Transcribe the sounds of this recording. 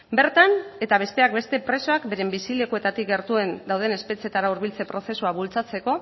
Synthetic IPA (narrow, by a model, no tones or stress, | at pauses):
be̞ɾt̪ane̞t̪aβ̞e̞st̪e̞akbe̞st̪e̞pɾe̞so̞akbe̞ɾe̞mbisile̞koe̞t̪at̪ikɡe̞ɾt̪ue̞nd̪awð̞e̞ne̞spe̞t͡sie̞t̪aɾauɾβ̞ilt͡se̞pɾo̞se̞suaβult͡sat͡se̞ko̞